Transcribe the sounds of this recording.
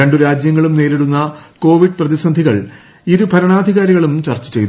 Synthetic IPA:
eɳɖuɾaːd͡ʑjɐŋːɐɭumne̞ːliɽunːɐko̞ːʋiɖɨprɐðisɐnd̪ʱiɣɐɭ | iɾubʱɐɾɐɳaːd̪ʱiɣaːɾiɣɐɭumt͡ɕɐrt͡ɕːɐ̥t͡ɕe̞jt̪

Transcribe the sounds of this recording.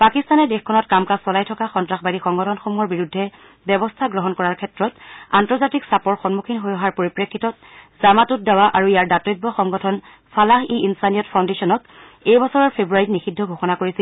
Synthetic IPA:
pakistanɛdexkʰɔnɔtkamkasɔlajtʰɔkaxɔntɹaxbadixɔŋɡɔtʰɔnxomuɔɹbiɹudʱːɛ | bɛbɔstʰaɡɹɔɦɔnkɔɹaɹkʰɛtɹɔtantɔɹzatiksapɔɹxɔnmukʰinɦojɔɦaɹpoɹipɹekʰːitɔt̚ | zamatʊt̚dawaʔaɹuijaɹdatɔjb̚bɔxɔŋɡɔtʰɔn | pʰalaxeinsanijɔtpʰaw̃ndesɔnɔt | ejbɔsɔɹɔɹpʰebɹuaɹitnixidʱːɔɡʱoxɔnakoɹisil

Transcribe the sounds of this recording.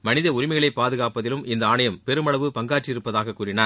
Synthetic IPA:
mɐnɪðɐʊɾɪmɐɪɣɐɭɐɪpːaːðɯɣaːpɐðɪlɯmʔɪnd̪ɐːnɐjɐmpɛɾɯmɐɭɐʋɯpɐŋɡaːʈrɪɪɾɯpːɐðaːɣɐkːuːɾɪnaːɾ

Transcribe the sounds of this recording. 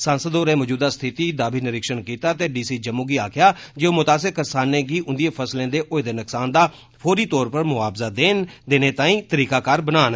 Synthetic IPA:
sãːnsəd̪oːɾẽːmod͡ʒuːd̪aːst̪ʰɪt̪iːd̪aːbiːnɪɾɪkʃənkiːt̪aːt̪eːɖiːsiːd͡ʒəmũːɡiːaːkʰɪjaːd͡ʒeoːmʊt̪aːsɪkkːəsaːnẽːɡiːʔʊnd̪ieːpʰəslẽːd̪eːʔoːɪd̪eːnəksaːnd̪aː | pʰoːɾiːt̪ɔːɾpəɾmʊaːbzaːd̪eːnd̪eːneːt̪ãːĩːt̪əɾiːkaːkaːɾbənaːn

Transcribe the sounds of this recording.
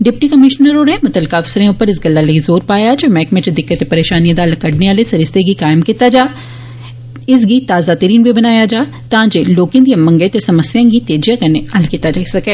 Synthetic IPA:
ɖɪp̚ʈikəmɪʃnəɾoːɾemɐt̪əlkaːfsəɾẽʊpːəɾɪs̬ɡɐlːalɐizoːɾpaːjad͡ʒoːmɛːkmẽt͡ʃed̪ɪkːət̪epɐɾeːʃaːniãd̪aːlkɐɽneaːlesɐɾɪst̪eɡikaːɪmkiːt̪ad͡ʒaː | ɪs̬ɡit̪aːzat̪əɾiːnbʱibɐnaːjad͡ʒaː | t̪aãːd͡ʒeloːkɪ̃nd̪iãmɐ̃ŋɡet̪esɐməsjãːɡit̪eːd͡ʒjãkəɾneɐlkiːt̪ad͡ʒaːisɐkeː

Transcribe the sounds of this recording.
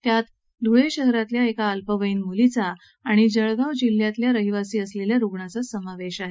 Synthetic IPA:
t̪jat̪ | d̪ʱuɭeɕəɦɾat̪ljaekaːlpəʋəiːnmulit͡saː | ɽ̃id͡zəɭɡawd͡ʑil̤ːjat̪ljaɾəɦiʋasiːəsleljaɾuɡɳat͡sasəmaʋeɕaɦe

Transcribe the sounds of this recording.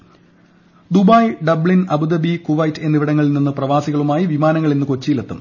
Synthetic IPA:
d̪ubɐːjɖɐbɭinɐbud̪ɐbikuʋɐjtːenːiʋiɽɐŋːɐɭilninːɨprɐʋaːsiɣɐɭumaːjiʋimaːnɐŋːɐɭinːɨko̞t͡ɕːilet̪ːɐm

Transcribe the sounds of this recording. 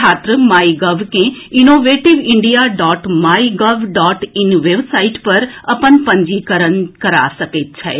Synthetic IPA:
aːt̪ɾəmaːiɡəʋkẽɪnoːʋeːʈɪʋɪ̃ɳɖijaɖɔːʈmaːiɡəʋɖɔːʈɪnʋeːbsaːiʈpəɾɐpənpə̃ɲd͡ʒikəɾənkəɾa̰səket̪̚t͡ʃʰɛ̰

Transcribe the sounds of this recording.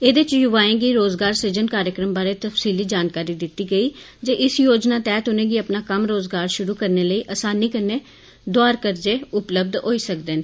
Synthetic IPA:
eːd̪et͡ʃjʊʋaːẽːɡiːɾoːzɡaːɾsed͡ʒənkaːɾjəkɾəmbaːɾeːt̪əfsiːliːd͡ʒaːnkaːɾiːd̪ɪt̪ːiːɡəiː | d͡ʒeːʔɪsjoːd͡ʒnaːt̪ɛːt̪ʊnẽːɡiːəpnaːkəmɾoːzɡaːɾʃʊɾuːkəɾneːləiːʔəsaːniːkəɾneː | d̪oaːɾkəɾd͡ʒeːʊpləb̚d̪ɦoːiːsəkd̪en

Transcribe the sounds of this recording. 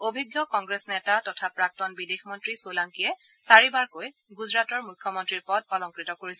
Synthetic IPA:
obʱiɡjɔkɔŋɡɹesnɛtatɔtʰapɹak̚tɔnbidexmɔntɹisolaŋkijɛ | saɹibaɹkoj | ɡuzɹatɔɹmujkʰːjɔmɔntɹiɹpɔt̚bɔlɔŋkɹitɔkoɹisɛ

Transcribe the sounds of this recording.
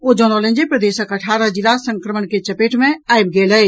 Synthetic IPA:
od͡ʒɔ̃nɔlə̃nd͡ʒepɾəd̪eːʃəkəʈʰaːɾad͡ʒɪlasə̃ŋkɾəməɳket͡ʃəpeːʈʰmẽajb̚ɡeːlə

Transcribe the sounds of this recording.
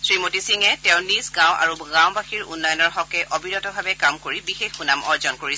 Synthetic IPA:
sɹimotisiŋɛtɛʊ̃nizɡãw̃ʔa̰ɹuɡãwbaxiɹunːɔjɔnɔɹɦɔkɛʔobinɔtɔbʱabɛkamkoɹibixexunamɔɹzɔnkoɹisɛ

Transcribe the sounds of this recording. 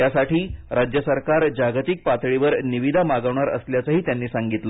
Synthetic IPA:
jasaʈʰiːɾad͡ʑjəsəɾkaɾd͡ʑaɡt̪ik̚pat̪ɭiʋəɾniʋid̪ʱamaɡəʋɳaɾə̰sljat͡səɦiːt̪janːiːsaŋɡit̪lə

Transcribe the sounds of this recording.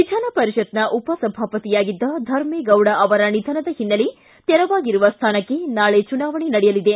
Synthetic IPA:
ʋid͡ʒʱaːnɐpɐɾiʃɐt̪nɐʔupɐsɐbʱaːpɐt̪ijaːɡid̪ːɐd̪ʱɐɾmeɡɐwɽɐʔɐʋɐɾɐnid̪ʱɐnɐd̪ɐhinːɐli | t̪ɛɾɐʋaːɡiɾuʋɐst̪ʰaːnɐkːe̞naːɭet͡ʃunaːʋɐɳenɐɽɛjɐlid̪e̞

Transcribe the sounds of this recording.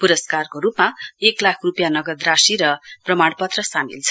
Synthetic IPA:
puɾʌskarkoɾupmaeklakʰrupjanʌɡʌd̪rasiɾʌprʌmaɽpʌt̪rʌsamḭlt͡sʰʌ

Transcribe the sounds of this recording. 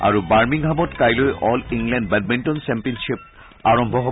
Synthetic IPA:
a̰ɹubaɹmiŋɡʱamɔtkajlojʔɔliŋlɛndbɛd̚bintɔnsɛmpiɔnʃip̚ | aɹɔmbʱɔɦɔ

